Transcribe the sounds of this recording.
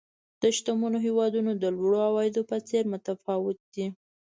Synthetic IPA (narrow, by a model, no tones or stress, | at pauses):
d̪̥əʃt̪umunoɦewɑd̪unod̪əlwɽoawɑjɪd̪opət͡seɾmʊt̪afɑwɪt̪̚d̪i